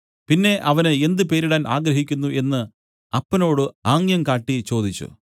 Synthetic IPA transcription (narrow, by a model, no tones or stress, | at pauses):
pinːe̞ʔɐʋɐnɨe̞nd̪ɨpe̞ːɾiɽaːnʔa̰ːɡɾɐɦikʲːunːuʔe̞nːɨ | ɐpːɐno̞ːɽɨaːŋjɐmkaːʈːit͡ɕo̞ːd̪it͡ɕːṵ